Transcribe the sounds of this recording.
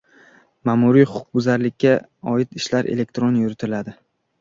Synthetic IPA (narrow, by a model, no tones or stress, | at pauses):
mamʊɾijχʊʊq̚bʊzaɾlɪkʲʰːa | ɒɪt̪ʰɪʃlaɾʔḛle̞k̚ʲt̪ɾonjʊɾɪt̪ʰɪlad̪ɪ